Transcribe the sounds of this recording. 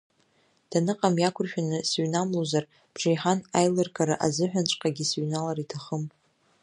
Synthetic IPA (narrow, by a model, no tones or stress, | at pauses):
d̥anɨqʼamjakʷʰʊrʃᶣanɨsɥnamlozar | b̥ʐejħanajlɨrkʰʼaɾaʔazɨħʷᶣant͡ʃʷʼqʼaɡʲɪsɥnalaɾitʰaχəm